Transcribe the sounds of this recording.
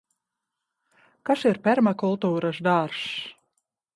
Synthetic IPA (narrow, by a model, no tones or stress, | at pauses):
kaʃiɾpʲɛɾmakulˠt̪uːɾaʃd̪aɾs